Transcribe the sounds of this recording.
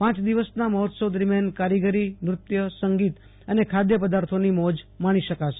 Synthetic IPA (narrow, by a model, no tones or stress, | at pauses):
pãt͡ʃd̪iʋəsnamɔɦt̪sod̪əɾmjankaɾiɡəɾimɾʊt̪jəsəŋɡit̪ | ənekʰad̪jəpəd̪aɾt̪ʰonimɔd͡ʒmaɽ̃iʃəkaʃe̥